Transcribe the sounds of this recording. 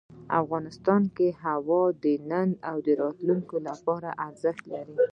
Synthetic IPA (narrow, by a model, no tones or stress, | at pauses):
a̰fɣɑnɪst̪ɑnkeɦawɑd̪ənənawd̪əɾɑt̪luŋkolapɑɾa̰ʔaɾzəxt̪laɾi